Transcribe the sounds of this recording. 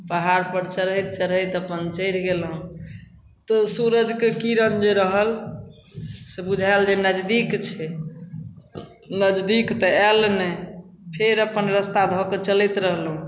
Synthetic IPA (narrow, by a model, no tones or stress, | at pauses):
pəɦaɾpəɾt͡ʃəɾət̪̚t͡ʃəɾɦəjt̪əpənt͡ʃəɽ̤ɡelɦũ | t̪ɔsuɾəd͡ʒkekiɾənd͡ʒeɾəɦəl | sebud͡ʒʱald͡ʒenəd͡ʒd̪ikt͡ʃʰɛ | nəd͡ʒd̪ikt̪ɔɛlnɛ | pʰeɾəpənɾəst̪ad̪ʱɔket͡ʃəlit̪ɾəɦlɦũ